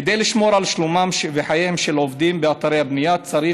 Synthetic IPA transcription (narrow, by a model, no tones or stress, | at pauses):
ed̪ejliʃmo̞ɾalʃlumamʃveħajemʃelovd̪imbeat̪aɾejhabnijat͡saɾi